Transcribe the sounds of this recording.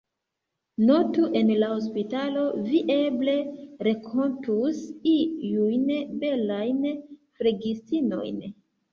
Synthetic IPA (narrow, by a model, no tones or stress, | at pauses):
no̞tuʔe̞nlaho̞s̬pitalo̞viʔe̞ble̞ɾekʰo̞ntusijujnbe̞lajnfɾeɡistino̞̰jn